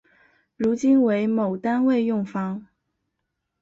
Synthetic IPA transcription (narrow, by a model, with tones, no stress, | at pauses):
ɻu˧˥t͡ɕi˥nwe˧˥ɪmo˨˩ʊt̪a˥nwe˥˧ɪjʊ˥˩ŋfɑ˥ŋ